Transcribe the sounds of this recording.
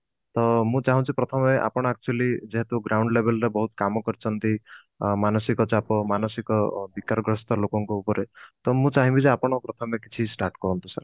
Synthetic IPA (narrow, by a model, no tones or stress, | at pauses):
t̪ɔmũt͡ʃaɦɔ̃t͡ʃʰipɾɔt̪ʰɔmeʔa̰pɔɽ̃ak̚t͡ʃualid͡ʒeɦet̪uɡɾawɳɖlebelɾebɔɦut̪kamɔkɔɾit͡ʃʰɔnt̪i | manɔsikɔt͡ʃapɔmanɔsikɔbikaɾɔɡɾɔst̪ɔlokɔŋkɔupɔɾet̪ɔmũt͡ʃaɦĩbizeapɔɽ̃ɔpɾɔt̪ʰɔmekit͡ʃʰisʈaɾʈkɔɾɔnt̪usa̰ɾ